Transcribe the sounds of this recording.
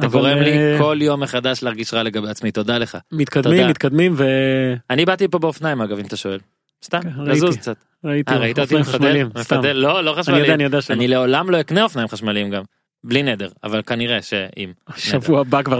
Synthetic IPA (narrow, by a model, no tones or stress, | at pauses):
at̪aɡoʁemliko̞ljo̞mːeχad̪aʃleaʁɡiʃʁale̞ɡabeat͡smit̪o̞d̪ale̞χa̰mit̪kad̪immːit̪̚kad̪mimveanibat̪ipobeofnaimaɡavimat̪aʃo̞el | st̪amazuzkt͡sat | ʁaitaʁait̪at̪imefadelimmefadelːo̞lo̞χaʃnaijodeanijod̪eaʃanile̞o̞lamlo̞ikneo̞fnajimχaʃmalimɡam | blined̪eʁa̰valkaniʁeʃeḭmʃneavuabakva